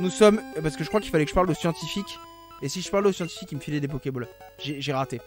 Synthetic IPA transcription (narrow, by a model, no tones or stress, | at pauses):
nusɔmpaʁsə̥kəʒəkχwakilfalɛkə̥ʒəpald̪osjɑ̃t̪ifikʲ | esiʒəpaʁlɛosjɑ̃t̪i̥fikiməfilɛd̪epɔkʲebɔl | ʒeʒeʁat̪e